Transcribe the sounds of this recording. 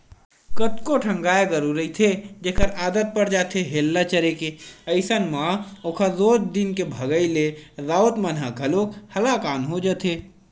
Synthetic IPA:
kət̪koʈʰə̃ŋɡaːeɡəɾuɾəit̪ʰed͡ʒeːkəɾaːd̪ət̪̚pəɾd͡ʒaːt̪ʰeɦeːlːat͡ʃəɾekeəɪsənmãoːkʰazoːd͡ʒd̪inkebʱəɡəileɾaːət̪mənɦaɡʱəlokhɐlakaːnɦod͡ʒət̪ʰeː

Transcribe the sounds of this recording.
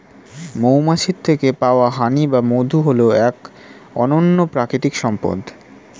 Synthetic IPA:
mowmaʃiɾt̪ʰekepaoaɦanibamod̪ʱuɦoloɛk | ɔnonːopɾakɾit̪ikʃɔmpo̰d̪

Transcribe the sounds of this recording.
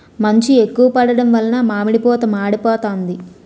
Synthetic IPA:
mɐɲt͡ʃiekːuʋɐpɐɽɐɽɐmʋɐlɐnɐmaːmiɽipɔːt̪ɐmaːɽipɔːt̪oːnd̪i

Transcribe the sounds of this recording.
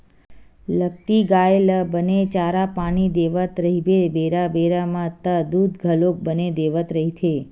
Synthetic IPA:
lək̚t̪iɡaeləbənet͡ʃaɾapaɽ̃id̪eʋət̪ɾəɦibebeɾabeɾamãt̪əd̪ud̪ɡʱəlok̚bəned̪eʋət̪ɾəɦit̪ʰe

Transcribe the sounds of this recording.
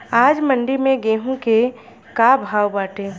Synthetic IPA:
aːd͡ʒmə̃ɳɖimẽɡeːɦũke | kabʱaːwbaːʈẽː

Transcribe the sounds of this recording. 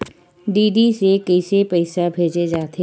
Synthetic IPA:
ɖiːɖisekɐɪsepɛɪsabʱeːd͡ʒed͡ʒaːt̪e

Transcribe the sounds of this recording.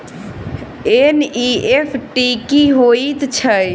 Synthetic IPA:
eniepʰʈikiɦoit̪t͡ʃʰəj

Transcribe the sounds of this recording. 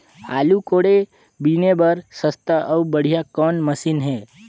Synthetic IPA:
aːlukoːɽe | binebəɾsəst̪əʔəubəɽ̤ijakɔːnməsiːnɦɛː

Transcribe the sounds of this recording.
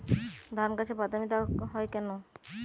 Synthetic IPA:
d̪ʱaɾmkat͡ɕʰebat̪amit̪aɦɔekɛno

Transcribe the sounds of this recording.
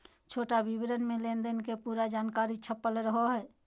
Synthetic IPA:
t͡ʃʰoːʈabibɾənmẽlẽnd̪ənkepuːɾad͡ʒaːnkaːɾit͡ʃʰəpːəlɾəɦoɦɛː

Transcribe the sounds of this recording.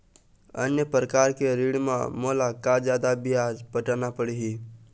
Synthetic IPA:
ə̰njəpɾəkaːɾkeɾiɽmã̰moːlakad͡ʒjaːd̪abɪjaːzpəʈanapəɽiɦi

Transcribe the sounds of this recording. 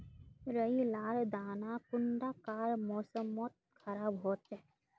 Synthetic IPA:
ɾəilaːld̪aːnakʊɳɖaːkaːɾmoːsəmːot̪̚kʰɐɾaːbɦoːt͡ʃɛ

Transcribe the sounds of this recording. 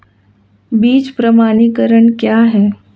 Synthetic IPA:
biːt͡ʃpɾəmaːnikəɾəɳkjaːɦɛː

